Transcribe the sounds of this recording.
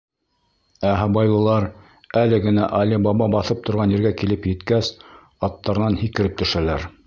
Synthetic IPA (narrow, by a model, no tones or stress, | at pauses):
æɦɑbɑjlˠɤ̆lˠɑɾ | ælɘɡɘ̆næʔɑlʲibɑbɑbɑθɤp̚t̪ŏɾʁɑnɘ̆ɾɡækilɘpjɘ̆t̪kæs | ɑt̪ːɑɾɤ̆nɑnhikɘ̆ɾɘp̚t̪ɵ̆ʃælæɾ